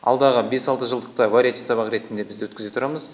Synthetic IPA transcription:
ɑ̰lˠd̪ɑʁəbe̞sɑlˠt̪əʒəlˠd̪əq̚t̪əvaɾʲijat̪ʲifsɑβɑqɾe̞t̪ɪnd̪e̞bɪzd̪ewɵt̪kʲɪze̞t̪ʰʊɾɑməz

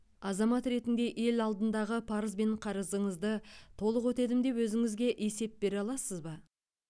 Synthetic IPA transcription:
ɑzɑmɑt̪ɾe̞t̪ɪnd̪e̞ʔe̞lɑlˠd̪ənd̪ɑʁəpʰɑɾəzbe̞ɴqʰɑɾəzəɴəzd̪ət̪ʰo̞lˠəqwɵt̪e̞d̪ɪmd̪e̞pwɵzɪŋɪzɡʲe̞ʔe̞se̞p̚be̞ɾɑlˠɑsəzbɑ

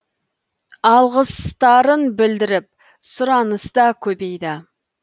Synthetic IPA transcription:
ɑlˠʁəst̪ɑɾənbɪld̪ɪɾɪp̚ | sʊɾɑnəst̪ɑkʲʰɵbe̞jd̪ɪ

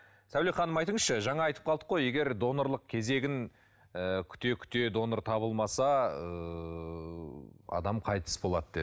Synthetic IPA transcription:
sæwleχɑnəmɑjt̪əɴəzʃəʒɑɴɑɑjt̪ə̥p̚qʰɑlˠd̪əqʰoje̞ɡʲe̞ɾd̪o̞noɾlˠəq̚kʲʰe̞ze̞ɡʲɪn | əkʲʰʏ̥t̪e̞kʲʰʏ̥t̪e̞d̪o̞noɾt̪ʰɑbəlˠmɑsɑə | ɑ̰d̪ɑmqʰɑjt̪ʰə̥sbo̞lˠɑd̪əd̪e

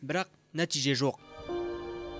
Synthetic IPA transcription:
bɪɾɑq̚ | næt̪iʒeʒoq̚

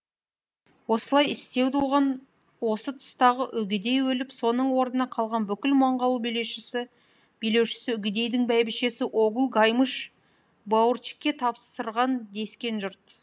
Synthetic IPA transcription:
wo̞səlˠɑjɪst̪e̞wt̪uʁɑn | wo̞sət̪ʰʊ̥st̪ɑʁəʔʏɡʲɪd̪e̞jwɵlɪpso̞nəɴwo̞ɾnənɑqʰɑlˠʁɑnbʏkʲɪlmɑɴʁɑlˠubijle̞ʃɪsɪ | b̥ijle̞wʃɪ̥sɪʏɡʲɪd̪e̞jd̪ɪŋbæjbɪʃe̞sɪʔoɡulˠɡɑjməʃ | bɑwərt͡ʃi̥kʲːe̞t̪ʰɑpsəɾʁɑnd̪e̞skʲe̞nʒʊɾt̪

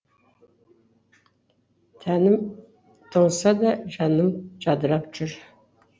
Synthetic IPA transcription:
t̪ʰænɪm | t̪ʰoŋsɑd̪ɑʒɑnəmd͡ʒɑd̪əɾɑpʒʏɾ

